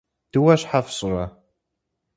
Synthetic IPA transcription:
d̥ɨwɐɕħafɕʼrɐ

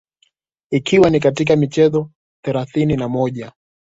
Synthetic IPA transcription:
ikʰiwanik̬atik̬amit͡ʃɛzɔ | θɛɾaθininamɔʄa

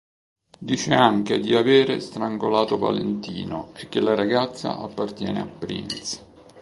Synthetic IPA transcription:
d̪iːt͡ʃeaŋk̟ed̪iaveːɾest̪ɾaŋɡolaːt̪ova̰lḛnt̪iːnoekːelːaɾaɡat̪sːa̰ʔapːart̪jɛ̰ːnḛapːɾḭnt̪s

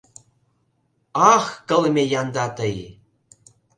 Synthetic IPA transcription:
ɑxkə̆lmʲejɑnd̪ɑt̪əj

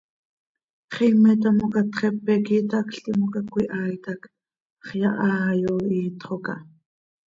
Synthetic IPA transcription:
χimɛt̪̬amokat̪χɛpːɛkiːt̪akɬt̪imokakʷiʔaːjt̪ak | χjɑʔɑːjoiːt̪χokɑ

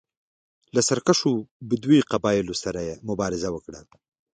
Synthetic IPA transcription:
lasaɾkaʂobəd̪wiqabɑjɪlosaɾajemʊbɑɾɪzawəkɽa

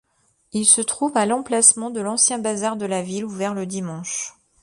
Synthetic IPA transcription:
ilsət̪χuvalɑ̃plasmɑ̃d̪əlɑ̃sjɛ̃bazaʁd̪əlaviluvɛʁləd̪imɑ̃ʃ

